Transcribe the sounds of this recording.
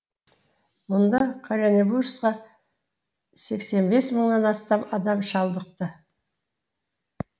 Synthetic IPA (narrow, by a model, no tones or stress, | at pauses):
mʊnd̪ɑɑkʰaɾʲenebursqɑ | se̞kse̞nbe̞sməɴnɑnɑst̪ɑmɑd̪ɑmʃɑlˠd̪əq̚t̪ə